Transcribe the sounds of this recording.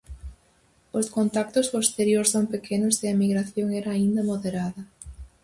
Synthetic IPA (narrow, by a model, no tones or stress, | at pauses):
ʊskont̪ak̚t̪ʊspost̪eɾjoɾsoŋpekʰenʊseɐemiɣɾaθjoŋɛɾɐːind̪ɐmoðeɾaðɐ